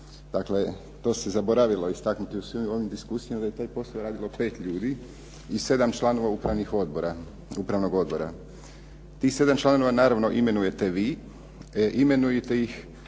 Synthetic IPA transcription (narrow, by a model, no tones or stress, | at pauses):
d̪akle̞ | t̪o̞ːse̞zabo̞ɾaʋilˠo̞ist̪aknut̪iusʋimo̞ʋimd̪iskuːsijamad̪ajet̪aːjpo̞slaoɾaːd̪ilˠo̞pe̞ːt̪ʎuːd̪i | ise̞d̪amt͡ʃlˠano̞ʋaupɾaʋnixod̪boɾa | upɾaʋno̞ɡo̞d̪bo̞ɾa̰ | t̪ixse̞d̪amt͡ʃlˠano̞ʋanaːɾaʋno̞ʔime̞nuje̞t̪e̞ʋi | ʔime̞nujet̪e̞jix